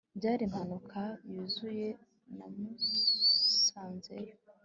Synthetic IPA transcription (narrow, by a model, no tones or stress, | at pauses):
bɟaːɾim̥hanukʰajuːzuje̞ | namu | saːnzḛɾo